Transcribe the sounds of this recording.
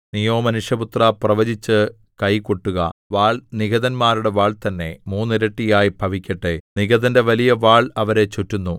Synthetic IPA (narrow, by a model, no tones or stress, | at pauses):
nijo̞ːmɐnuʂjɐbut̪rɐprɐʋɐd͡ʑit͡ɕːɨ | kɐjkoʈːuɣɐ̰ʋaːɭniɡɐðɐnmaːɾuɽe̞ʋaːɭt̪ɐnːe̞̰muːnːiɾɐʈːijaːjibʱɐʋikʲːɐʈːeniɡɐðɐnde̞ʋɐlijɐʋaːɭɐʋɐɾe̞t͡ɕutːunːu